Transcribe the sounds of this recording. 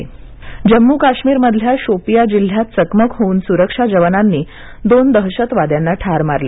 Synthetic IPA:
d͡ʑəmːuːkaɕmiːɾməd̪ʱljaɕopijad͡ʑil̤ːjat̪t͡səkməkɦouːnsuɾəkʂad͡ʑəʋənanːiː | d̪ond̪əɦɕət̪ʋad̪janːaʈʰaɾmaɾle

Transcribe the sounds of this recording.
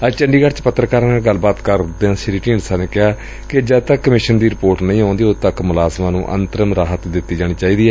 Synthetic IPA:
əd͡ʒt͡ʃəɳɖiːɡəɾt͡ʃpət̪ːɾəkaːɾaːnlɡəlːbaːt̪kəɾd̪eːãːsɪɾiːʈĩːnsaːneːkɪɦaː | kɪd͡ʒaːt̪əkːəmɪʃənd̪iːɾɪpoːɾʈnəĩːõːnd̪iːot̪əkmʊlaːzmãːnũːʔə̰nt̪əɾəmɾaːɦət̪d̪ɪt̪ːiːd͡ʒaːɽ̃iːt͡ʃaːiːd̪iːɛː

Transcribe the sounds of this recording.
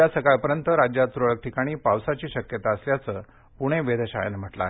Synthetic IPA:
jasəkaɭpəɾjənt̪əɾad͡ʑjat̪ːɾoɭək̚ʈʰikaɽ̃iːpawsat͡ɕiːɕəkjət̪aəsljat͡səː | puɽ̃eʋed̪ʱeɕa̰ja̰nem̤əʈla̰e

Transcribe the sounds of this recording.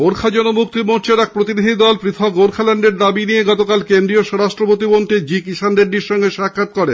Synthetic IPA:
ɡoɾkʰad͡ʑɔnomuk̚t̪imoɾt͡ɕeɾɛk̚pɾot̪̬iniɦ̪id̪ɔlpɾit̪ʰooɾkʰaleɳɖeɾd̪abinieɡɔt̪okalkend̪ɾioʃɔɾaʃʈɾopot̪ibont̪id͡ʑikiʃand̪eɾɖiɾʃɔŋɡeʃakʰːat̪̚kɔɾe

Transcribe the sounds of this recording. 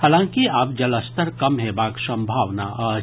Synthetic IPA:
haːlãːŋkiaːp̚d͡ʒɐləst̪əɾkɐmɦɛbaːksɐ̃mbʱaːʋnaʔaː

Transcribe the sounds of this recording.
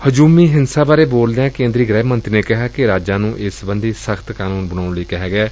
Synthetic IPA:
həd͡ʒuːmiːɦɪnsaːbaːɾeːboːld̪eãːkẽːnd̪ɾiːɡɾɛːbmə̃nt̪ɾiːneːkɪɦaːkɪɾaːd͡ʒãːnũːʔɪsbə̃nd̪iːsəkʰt̪kaːnuːnbənaːɳləiːkɛɦɛːɡɛː

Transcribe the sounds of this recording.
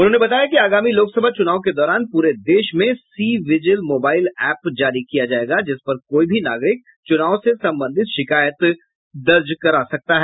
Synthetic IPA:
ʊ̃nɦõnebɐt̪aːjakiaːɡaːmiloːksɐbʱat͡ʃʊnaːʋõk̬ed̪ɔːɾaːnpuːɾed̪eːʃmẽsiːʋɪd͡ʒəlmoːbaːɪlɛːpd͡ʒaːɾikijad͡ʒaːeːɡad͡ʒɪspɐɾkoːibʱinaːɡɾɪk̚ | t͡ʃʊnaːõsesɐ̃mbə̃nd̪ʱɪt̪ʃɪkaːjət̪ | d̪ɐɾd͡ʒkɐɾasɐk̚t̪aɦɛː

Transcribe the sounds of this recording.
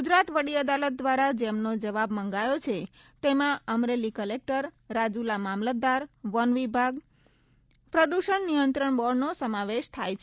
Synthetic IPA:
ɡud͡ʒɾat̪ʋəɽiəd̪alət̪̚d̪ʋaɾad͡ʒemnod͡ʒəʋabmə̃ŋɡajot͡ʃʰe | t̪emãəmɾelikəlek̚ʈəɾː | ad͡ʒulamamləd̪aɾʋənʋibʱaɡ | pɾəd̪uʃəɳnijənt̪ɾəɳbɔɽnosəmaʋeʃt̪ʰajt͡ʃʰe

